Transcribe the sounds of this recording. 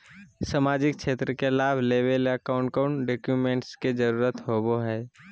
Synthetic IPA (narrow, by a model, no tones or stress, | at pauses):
səmaːd͡ʒɪk̚ʃeːt̪ɾəkelaːbʱleːʋeləkaʊ̃ɳʈkaʊɳɖoːkjuːmẽːɳʈsked͡ʒəɾuːɾət̪ɦoːboɦɛː